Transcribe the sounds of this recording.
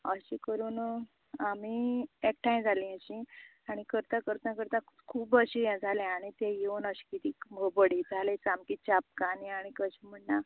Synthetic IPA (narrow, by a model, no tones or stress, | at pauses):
əɕikəɾuːn | amiek̚ʈajmd͡zʱalĩəɕĩ | aɽ̃ikəɾt̪ãkəɾt̪nãkəɾt̪ãkʰuːbəɕijãd͡zʱalɛ̃aɽ̃it̪ɛ̃jeʋənəɕi̥kit̪iːɡəbəɽid͡zʱalẽt͡samkit͡ɕap̚kaniaɽ̃ikəɕiːm̤əɳːa